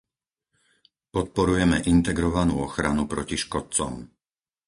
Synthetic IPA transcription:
pɔt̪̚pɔɾujɛmɛʔint̪ɛɡɾɔʋanuːɔxɾanupɾɔciʃkɔt̪̚t͡sɔ̰m

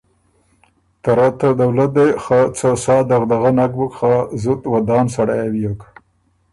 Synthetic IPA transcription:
t̪aɾat̪ad̪awlat̪̚d̪ejxat͡sasɑːd̪aɣd̪aɣanak̚bukχazut̪wad̪ɑːnsaɽajawijok

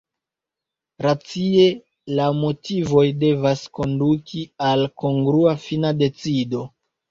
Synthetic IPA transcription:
ɾat͡sie̞ | lamo̞tivo̞jde̞vasko̞ndukʰialko̞ŋɡɾuafinade̞t͡sido̞

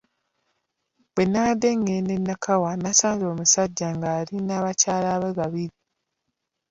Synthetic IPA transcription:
bwenːade̞ŋːenenːakʰawanasaːnzo̞ːmusaɟːaŋɡaːɾinaːβacaːlaβeβaβiɾi

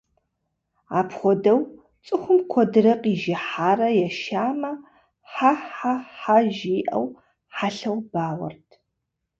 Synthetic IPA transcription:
a̰ːpχʷɔdɐw | t͡sʼɨxʷʊmkʷʰɔdɨrɐqʼiːʒɪħaːrɐjɛʃaːmɐ | ħaħaħaʒiːʔɐ̰w | ħaɬɐwbaːwɐ̰rtʰ

